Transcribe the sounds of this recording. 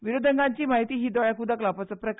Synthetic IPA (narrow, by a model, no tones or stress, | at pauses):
ʋiɾod̪ʱəŋɡãɲt͡ɕiːmaɦit̪iːɦiːd̪ɔɭjakud̪aklapat͡səpɾək